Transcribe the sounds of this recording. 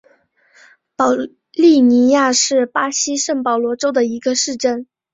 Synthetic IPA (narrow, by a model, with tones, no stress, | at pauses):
pɑ˨˩ʊ | li˥˩ni˧˥ja˥˧ʂɻ̩˥˩pa˥ɕi˥ʂə˥˩ŋpɑ˨˩ʊlwɔ˧˥ʈ͡ʂo˥ʊd̪ə˨i˧˥ɡə˧ʂɻ̩˥˧ʈ͡ʂə˥˩n